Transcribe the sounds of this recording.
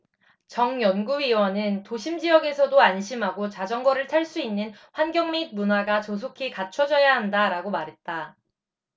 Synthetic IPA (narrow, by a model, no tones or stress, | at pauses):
t͡ɕʌŋjʌnɡuiwʌnɯntoɕʰimd͡ʑijʌɡe̞sʰʌdoanɕʰimɦaɡot͡ɕad͡ʑʌŋɡʌɾɯɭtʰaɭs͈uinːɯnɸwanɡjʌŋmid̚munaɡat͡ɕʌs̬ʰokʰikat͡ɕʰʌd͡ʑʌjaɦandaɾaɡomaɾɦe̞t̚t͈a